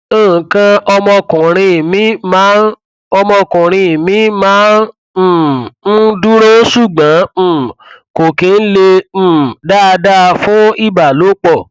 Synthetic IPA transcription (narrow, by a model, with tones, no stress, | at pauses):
oː˦˨kã˧ɔ˧mɔ̃˧kũ˨ɾ̃ĩ˧˨mĩ˨˦mãː˨˦n | ɔ˧mɔ̃˧kũ˨ɾ̃ĩ˧˨mĩ˨˦mãː˨˦n̩˨ | n̩˦du˦ɾo˦su˦˨ɡ͡bã˨˦˨ko˨ke˨˦n̩˦lẽ˧˦˨ | da˦˧da˦˧fũ˦i˦˨ba˨lo˨˦k͡pɔ˦˨